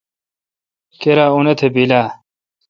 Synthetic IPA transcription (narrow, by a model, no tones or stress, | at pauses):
keɾaːunɐt̪ʰebilaː